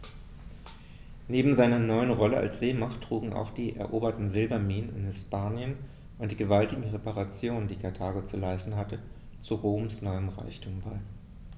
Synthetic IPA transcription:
neːbm̩zaɪnɐnɔʏənʁɔləʔa̰lsz̥eːmaχtːʁ̥uːɡŋ̩ʔa̰ʊxd̥iːʔɛ̰ɐʔoːbɐtn̩zɪlbɐmiːnənɪ̰nhɪspaːnjən | ʔʊnt̚d̥iːɡəvaltɪɡŋ̩ʁepaʁat͡sjoːnəndiːkʰaɐtʰaːɡot͡sulaɪstn̩ɦatə | t͡suʁoːmsnɔʏəmʁa̰ɪçtʰuːmbaɪ

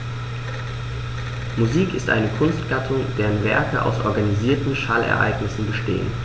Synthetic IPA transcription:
muziːkɪstʔa̰ɪnəkʰʊnstɡ̥atʰʊŋd̥eːʁənvɛ̰ɐkəʔa̰ʊsʔɔ̰ɐɡaniziːɐtn̩ʃaːlɛ̰ɐʔa̰ɪɡnɪsn̩bəʃtḛːə̰n

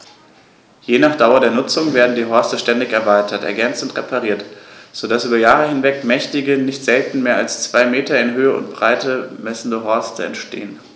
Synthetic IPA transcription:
jeːnaːχd̥aʊɐdeːɐnʊt͡sʊŋveːɐdn̩diːɦɔɐstəʃtɛndɪçɛɐvaɪtʰɐtɛ̰ɐɡɛnt͡stʊntʁepʰaʁiːɐtz̥odasʔyːbɐjaːʁəhɪnvɛkmɛçtɪɡənɪçtz̥ɛltn̩meːɐalst͡sv̥aɪmeːtɐɪnɦøːəʊ̰ntb̥ʁ̥aɪtəmɛsn̩dəɦɔɐstəɛ̰ntʃtḛːən

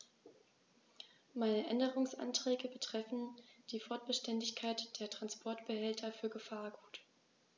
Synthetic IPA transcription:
maɪnəʔɛndəʁʊŋsʔa̰ntʁ̥ɛːɡəbətʁ̥ɛfn̩d̥iːfɔɐt̚b̥əʃtɛndɪçkʰaɪtd̥eːɐtʁ̥anspʰɔɐtb̥əhɛltʰɐfyːɐɡəfaːɐɡuːt

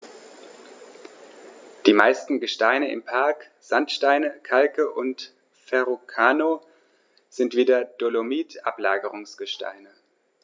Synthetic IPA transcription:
d̥iːma̰ɪstn̩ɡəʃtaɪnəɪ̰mpʰaɐk | z̥antʃtaɪnəkʰalkəʔʊnt | fɛʁokʰaːno | z̥ɪntv̥iːdɐd̥olomiːtʔa̰pla̰ːɡəʁʊŋsɡ̥əʃta̰ɪnə

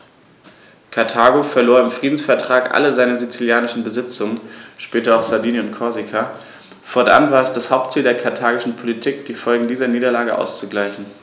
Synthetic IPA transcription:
kʰaɐtʰaːɡofɛɐloːɐɪmfʁ̥iːdn̩sfɛɐtʁ̥aːkʔa̰ləzaɪnəzit͡siljaːnɪʃn̩bəzɪt͡sʊŋənʃpɛːtɐaʊxz̥aɐdiːniʊntkʰɔɐzikʰa | fɔɐtʔa̰nvaːɐɛsd̥ashaʊp̚tt͡siːldeːɐkʰaɐtʰaːɡɪʃn̩pʰolitʰiːkd̥iːfɔlɡŋ̩diːzɐniːdɐlaːɡəʔa̰ʊst͡suɡlaɪçn̩

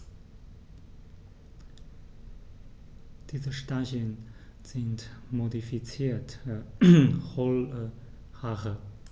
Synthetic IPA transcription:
d̥iːzəʃtaçənz̥ɪntmodifit͡siːtə | χɔlə | haʁə

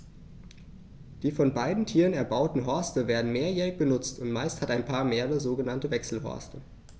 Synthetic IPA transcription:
d̥iːfɔnbaɪdn̩tʰiːʁənɛɐbaʊtn̩ɦɔɐstəveːɐdn̩meːɐjɛːʁɪçb̥ənʊt͡stʊntmaɪsthataɪnpʰaːɐmeːʁəzoːɡənantəvɛksl̩ɦɔ̰ɐstə

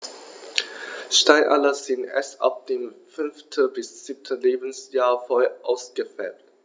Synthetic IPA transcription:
ʃtaɪʔa̰lɐzɪntʔɛ̰sʔa̰p̚d̥eːmfʏnftʰəbɪsz̥ip̚tʰəleːbn̩sjaːɐfɔʔaʊsɡ̥əfɛlt

